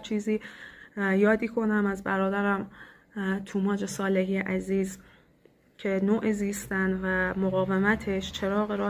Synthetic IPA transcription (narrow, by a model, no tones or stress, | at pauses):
t͡ʃʰiːziː | jɒːd̪iːkʰo̞næmæzbæɾɒːd̪æɾæm | t̪ʰuːmɒːd͡ʒe̞sɒːle̞ɦiːeʔæziːz | cʰe̞noːʔeziːst̪ænvæmoɣɒːvemæt̪ʰe̞ʃt͡ʃʰe̞ɾɒːɣeɾɒː